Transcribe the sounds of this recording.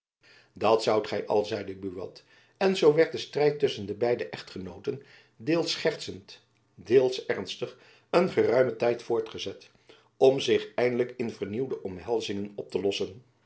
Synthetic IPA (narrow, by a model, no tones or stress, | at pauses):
dɑtsʌwtχɛjʔɑ̰lˠzɛjdəbyʋɑ̰t | ɛnzowʋɛɹt̚dəstrɛjtʏsəndəbɛjdəʔɛχtχənowtən | dɪːlˠsχɛrtsənt | deːlˠsɛɹnstəχ | ənχərœɥmətɛjtfʊːɹtχəzɛt | ɔmzɪχɛjndələkɪnvəɹniwdəʔɔmɦɛlˠzɪŋənɔp̚təlɔsən